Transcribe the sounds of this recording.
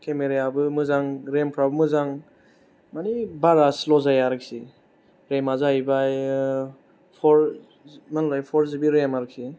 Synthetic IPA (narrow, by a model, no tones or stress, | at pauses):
kʰemeɾejabɯmɯzaŋɾempʰɾabɯmɯzaŋ | manibaɾaslɔzajaɾɯksi | ɾemazaibaj | pʰɔɾ | manlajpʰɔɾzibiɾemaɾɯk̚si